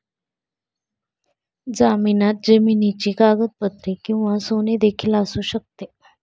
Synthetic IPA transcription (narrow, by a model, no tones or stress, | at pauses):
d͡zaminat̪̚d͡ʑəminit͡ɕiːkaɡət̪̚pət̪ɾikĩw̃ʋasoned̪ekʰiːlasuːɕək̚t̪e